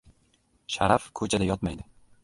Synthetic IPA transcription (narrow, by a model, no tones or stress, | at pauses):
ʃaɾafkʰɵt͡ʃʰad̪ajɒt̪majd̪ɪ